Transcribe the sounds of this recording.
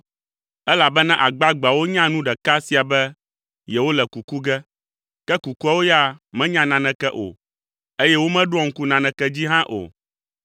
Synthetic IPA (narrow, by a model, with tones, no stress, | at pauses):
ɛ˦la˨bɛ˦nã˦ʔa˨ɡ͡ba˦ɡ͡ba˨wo˦ɲã˦nũ˦ɖɛ˨ka˦si˨a˨bɛ˦ | jɛ˨wo˦lɛ˨ku˨ku˦ɡɛ˦ | kɛ˦ku˨ku˦a˦wo˦ja˦˨mɛ̃˦ɲã˦nã˨nɛ̃˨kɛ˦ʔo̰˨ | e˦jɛ˦wo˦mɛ̃˦ɖo˦ɔ̃˨ŋ̩˦ku˦nã˨nɛ̃˨kɛ˦d͡ʑi˦ɦã˦ʔo̰˨